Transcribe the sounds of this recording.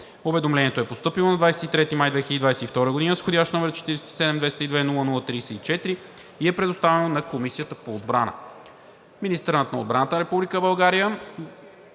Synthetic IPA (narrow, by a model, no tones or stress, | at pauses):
ʊvɛd̪omlɛniɛt̪oɛpost̪ɤpilˠonɐd̪vajsɛ̥t̪it̪ɾɛt̪imajd̪vɛxiləd̪id̪vajsɛift̪ɔɾəɡod̪inəsxod̪ʲjaʃt̪nɔmɛɾt͡ʃɛ̥t̪iɾɛsɛ̥t̪i̥sɛd̪ɛmd̪vɛjst̪id̪vɛnulˠənulˠət̪ɾiːsɛit͡ʃɛt̪ɾi | iɛpɾɛd̪ʊst̪avɛnonɐkomisijət̪əpoːd̪̚bɾanə̰ | minist̪ɛɾnət̪nɐod̪bɾanət̪ənəɾɛpublikəbɐlˠɡaɾijə